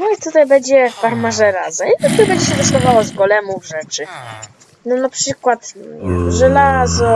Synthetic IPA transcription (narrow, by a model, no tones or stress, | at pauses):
nɔit̪ut̪ajbɛɲd͡ʑɛffaɾmaʐɛɾazɛmit̪akt̪ːbɛɲd͡ʑɛɕɛd̪ɔsk̪ɔvawɔzɡɔlɛmuvʐɛt͡ʂɘ | nɔnapʂɘkwat̪ʐɛlazɔ